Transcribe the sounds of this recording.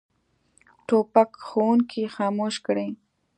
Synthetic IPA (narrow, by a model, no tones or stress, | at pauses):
ʈopakxowuŋkʰixɑːmoʃkɽe